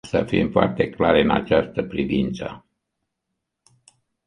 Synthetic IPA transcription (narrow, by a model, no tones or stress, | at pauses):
səfimfoa̰rt̪e̞klaɾɨna̰t͡ʃast̪əpɾivint̪sə